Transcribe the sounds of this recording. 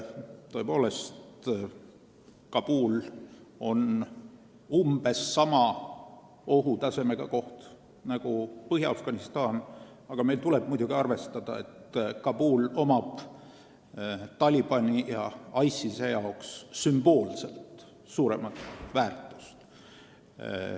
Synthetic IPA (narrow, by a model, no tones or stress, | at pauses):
t̪o̞e̞po̞ːle̞st̪ | kɑb̥uːlo̞n | umb̥e̞sːɑmɑ | o̞ɦut̪ɑse̞me̞ɡ̥ɑko̞ht̪ | nɑɡ̥upɤɦjɑɑfɡ̥ɑnist̪ɑːn | ɑɡ̥ɑme̞lt̪ule̞b̥̚mujd̪uɡ̥iɑrve̞st̪ɑd̪̥ɑ̰e̞t̪kɑb̥uːlo̞mɑb̥ | t̪ɑlʲib̥ɑnʲijɑɑjsisejɑoksːymb̥o̞ːlse̞lt̪ | suːɾe̞mɑt̪væːrt̪ˑu̥st̪